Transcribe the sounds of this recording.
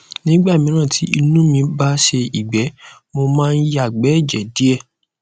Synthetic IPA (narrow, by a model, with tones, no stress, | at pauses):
nĩ˦ɡ͡ba˦˨mĩ˧˦ɾ̃ã˦˨tʰi˨˦i˧nũ˦mĩ˧ba˦ʃe˧i˨ɡ͡bɛ˨˦ | mo˧mãː˦˧n̩˦ja˦˨ɡ͡bɛ˨˦˨d͡ʒɛ˨di˨˦ɛ˦˨